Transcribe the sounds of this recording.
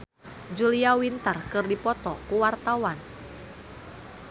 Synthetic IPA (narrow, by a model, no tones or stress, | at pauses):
d͡ʒuliawint̪ərkɨrdipɔt̪ɔkuwart̪awan